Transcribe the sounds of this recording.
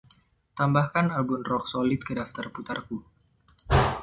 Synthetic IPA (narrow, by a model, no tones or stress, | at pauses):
t̪ambahkanalbumrɔk̚solɪt̪̚kədaft̪arput̪arku